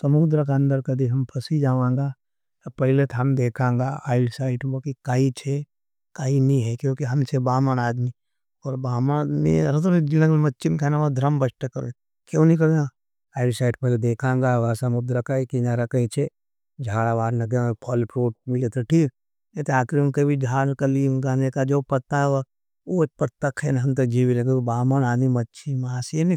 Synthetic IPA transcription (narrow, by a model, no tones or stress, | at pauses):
t̪ɔmud̪ɾɐkaənd̪əɾkɐd̪iɦɐmpʰɐsid͡ʒaːʋãːŋɡa | t̪pɐɦɪlet̪ʰɦɐmd̪eːkʰãːŋɡaaːɪɽsaːɪʈbokikait͡ʃʰe | kaːiniɦɛkjõkiɦɐmt͡ʃʰebaːmanaːd̪mi | ɔːɾbaːmanad̪mḭɾɐt̪od͡ʒilɐɡlmɐtːt͡ʃʰimkʰenaʋad̪ʱɾəmbɐsʈəkɐɾo̰ | kjonik̬ɐɡẽ | aɪɾisaːɪʈpɐled̪eːkʰãːŋɡaʋaːsamʊb̚d̪ɾɐkaikinaɾɐkɐit͡ʃʰe | d͡ʒʱaːɽaʋaːɾnɐɡeepʰɐlpɾoːʈ̚mɪlet̪ʰoʈʰiːk | et̪eaːkʰɾunkebid͡ʒʱaːkɐliːmɡaːnekad͡ʒoːpɐt̪aʋa | opɐɾt̪ɐkʰːenɦɐmt̪̬ɐk̚d͡ʒiːʋilekebaːmənaːd̪mimɐtːt͡ʃʃʰimaːsenĩ